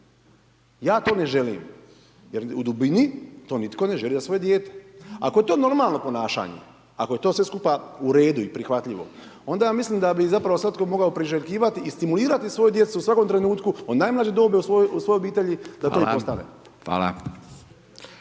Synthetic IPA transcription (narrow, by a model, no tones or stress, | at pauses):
jaːt̪o̞ne̞ʒe̞lḭːm | jeɾṵd̪ubinit̪o̞ːnit̪ko̞ne̞ʒelizasʋo̞je̞d̪jeːt̪e̥a̰ko̞je̞t̪oːno̞ɾmalˠno̞po̞naːʃa̰ɲḛ | akoje̞t̪o̞ːsʋeskupauɾe̞ːd̪uipɾixʋat̪ʎiʋo̞̰o̞nd̪ajaːmisliːmd̪abizapɾaʋo̞sʋat̪̚ko̞mo̞ɡaopɾiʒeʎkiːʋat̪iist̪imuliːɾat̪isʋo̞jud̪je̞t̪susʋako̞mt̪ɾenuːt̪kuonnaːjmlad͡ʑed̪o̞ːbeusousʋo̞joobiːt̪e̞ʎid̪at̪o̞ipost̪anḛ | a̰ːla̰